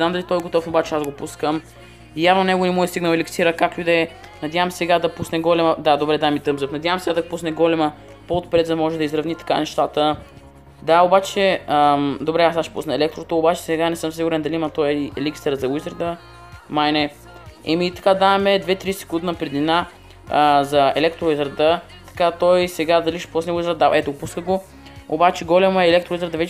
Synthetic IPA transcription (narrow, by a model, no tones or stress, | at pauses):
znamd̪ɐlit̪ɔjɛɡot̪ɔfnoːbat͡ʃɛazɡopuskəm | javnonɛɡonɛmuɛst̪iɡnəlɛlʲɛksiɾəkaklʲud̪ɛ | nɐd̪javəmsɛɡad̪ɐpusnɛɡɔlɛməd̪ad̪obɾɛd̪amit̪əmzəfnɐd̪ʲjavəmsɛɡad̪ɐɡopusnɛɡɔlɛmə | poːt̪̚pɾɛt̪zɐmɔʒɛd̪ɐizɾɐvnit̪ɐ̥ka̰nɛʃt̪at̪ə | d̪aobat͡ʃɛəmd̪obɾɛasaʃpṵsnɐɛlɛkt̪ɾot̪oobat͡ʃɛ̥sɛɡanɛsɤmsiɡʊɾɛnd̪ɐliimɐt̪ɔjɛlikst̪ɛɾəzɐwizəɾd̪ə | majnɛ | ɛmit̪ɐ̥kad̪aɛmɛd̪vɛt̪ɾisɛ̥kund̪nɐpɾɛd̪nina | əzɐɛ̰lɛk̚t̪ɾoɛzɾət̪ə | t̪ɐ̥kat̪ɔjsɛɡad̪ɐliʃɛ̥pɐsnɛwizɾd̪aɛt̪oɡopuskəɡo | o̰bat͡ʃɛɡɔlʲɛmoɛːlɛkt̪ɾoɛzəɾd̪əvɛt͡ʃ